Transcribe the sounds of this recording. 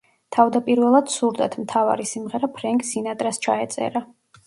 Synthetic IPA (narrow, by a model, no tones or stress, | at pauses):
t̪ʰavd̪apʼiɾvɛlˠad̪̥suɾd̪a̰t̪ʰmt̪ʰava̰ɾisimʁɛɾapʰɾɛŋkʼsinat̪ʼɾast͡ʃʰaɛt̪sʼɛ̰ɾa